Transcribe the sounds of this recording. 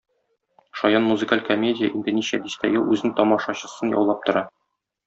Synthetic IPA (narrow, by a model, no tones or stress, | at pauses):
ʃɒjɑnmuzɨkalʲkomʲedʲɪjəʔind̪ɘnʲiɕæ̰d̪ist̪æjɘlˠʉznɘŋt̪ɒmɑʃɑɕɤ̆sɤnjɒ̰wlˠɑp̚t̪ŏɾɑ